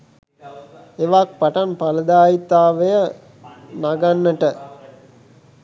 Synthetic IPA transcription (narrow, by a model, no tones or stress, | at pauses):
eʋak̚paʈanpaləd̪aːit̪aːʋəjə | naɡanːəʈə